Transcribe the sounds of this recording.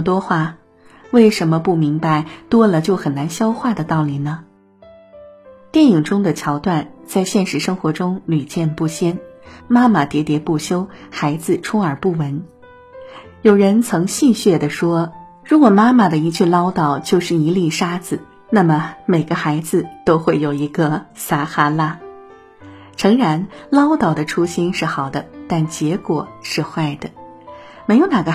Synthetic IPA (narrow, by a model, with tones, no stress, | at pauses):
t̪wɔ˥xwa˥˩ | we˥˩ɪʂə˧˥nmə˧pu˥˩mi˧˥ŋpa˧ɪt̪wɔ˥lə˨t͡ɕjo˥˩ʊxə˨˩nna˧˥nɕjɑ˥ʊxwa˥˩d̪ə˩t̪ɑ˥˩ʊli˨˩nə˩ | t̪jɛ˥˩ni˨˩ŋʈ͡ʂʊ˥ŋd̪ə˨t͡ɕʰjɑ˧˥ʊt̪wa˥˩nt͡sa˥˧ɪɕjɛ˥˩nʂɻ̩˧˥ʂɤ˥ŋxwɔ˧˥ʈ͡ʂʊ˥ŋly˨˩t͡ɕjɛ˥˧npu˥˩ɕjɛ˥nma˥ma˨t̪jɛ˧˥t̪jɛ˧˥pu˥˩ɕjo˥ʊxa˧˥ɪd͡zɹ̩˧ʈ͡ʂʰʊ˥ŋə˞˨˩pu˥˩wə˧˥n | jo˨˩ʊɻə˧˥nt͡sʰɤ˧˥ŋɕi˥˧ɕɥɛ˥˩d̪ə˩ʂwɔ˥ | ɻu˧˥kwɔ˨˩ma˥ma˨d̪ə˩i˧˥t͡ɕʰy˥˩lɑ˥ʊt̪ɑ˨˩ʊt͡ɕjo˥˧ʊʂɻ̩˥˩i˧˥li˥˩ʂa˥d͡zɹ̩˨˩ | na˥˩mə˩me˨˩ɪɡə˧˦xa˧˥ɪd͡zɹ̩˧t̪o˥ʊxwe˥˩ɪjo˨˩ʊi˧˥ɡə˧sa˥xa˥la˥ | ʈ͡ʂʰɤ˧˥ŋɻa˧˥nlɑ˥ʊt̪ɑ˨˩ʊd̪ə˦ʈ͡ʂʰu˥ɕi˥nʂɻ̩˥˩xɑ˨˩ʊd̪ə˦t̪a˥˩nt͡ɕjɛ˧˥kwɔ˨˩ʂɻ̩˥˧xwa˥˩ɪd̪ə˩ | me˧˥ɪjo˧˩ʊna˨˩ɡə˧˦